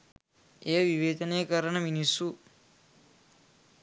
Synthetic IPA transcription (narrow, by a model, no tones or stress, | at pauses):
eːʋiʋeːd̪ɐneːkɐɾɐɳɐminisu